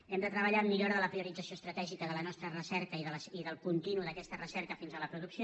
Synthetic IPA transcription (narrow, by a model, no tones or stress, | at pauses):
ɛmd̪ət̪ɾəβ̞əʎamiʎoɾðələpɾiuɾid͡zəsioəst̪ɾət̪ɛʒikəðələnɔst̪ɾərəsɛɾkəiðələsiðəlˠkunt̪inuðəkɛst̪ərəsɛɾkəfinzələpɾuðuksio